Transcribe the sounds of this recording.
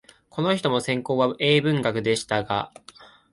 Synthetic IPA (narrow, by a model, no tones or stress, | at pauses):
kʰo̞no̞çi̥t̪o̞mo̞sẽ̞ŋko̞ːβaʔe̞ːbɯ̟̃ŋɡakɯ̟d̪e̞ɕi̥t̪aɡa̰